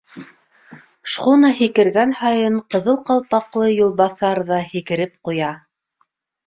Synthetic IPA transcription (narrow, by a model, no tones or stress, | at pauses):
ʃʁunɑhikɘ̆ɾɡænhɑjɤɴqɤ̆ðɤlˠqɑlˠpɑqlˠɤjulˠβɑθɑɾðɑhikɘ̆ɾɘp̚qujɑ